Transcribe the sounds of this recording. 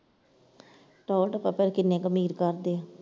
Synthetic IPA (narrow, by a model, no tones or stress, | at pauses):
ʈɔːlʈəpapəɾkɪnːẽːkəmiːɾkəɾd̪eːãː